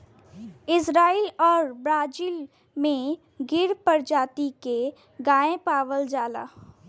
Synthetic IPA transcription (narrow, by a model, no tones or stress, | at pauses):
ɪsɾaːilɔːɾbɾaːd͡ʒiːl | mẽ | ɡɪɾpəɾd͡ʒaːt̪ike | ɡaːẽpaːʋəld͡ʒaːla̰ː